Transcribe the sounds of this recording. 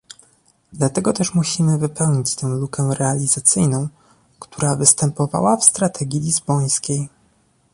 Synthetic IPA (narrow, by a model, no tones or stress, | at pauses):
d̪lat̪ɛɡɔt̪ɛʂmuɕimɘvɘpɛwɲit͡ɕt̪ɛ̃w̃lukɛɾɛalʲizat̪sɘjnɔ̃w̃ | kt̪uɾavɘst̪ɛmpɔva̰wafst̪ɾat̪ʰɛɡʲjilʲizbɔj̃skʲej